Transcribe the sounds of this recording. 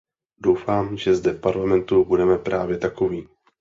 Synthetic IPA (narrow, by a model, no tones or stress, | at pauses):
dowfaːmʒɛzdɛfpaɾlamɛnt̪ubudɛmɛpɾʔaːvjɛt̪ako̞viː